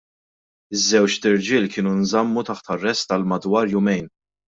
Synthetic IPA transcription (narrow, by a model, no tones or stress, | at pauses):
ɪzːɛwt͡ʃt̪ɪɾd͡ʒɪːlkɪːnunzɐmːut̪ɐħt̪ɐrːɛst̪ɐlmɐd̪wɐːɾjʊmɛjn